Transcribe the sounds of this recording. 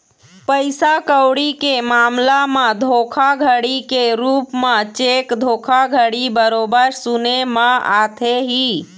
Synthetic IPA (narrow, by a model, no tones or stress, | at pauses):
pəjsakəwɽikemamlamad̪ʱokʰaɡʱəɽikeɾupmãt͡ʃekd̪ʱokʰaɡʱəɽibəɾobəɾsunemə̃at̪ʰeɦi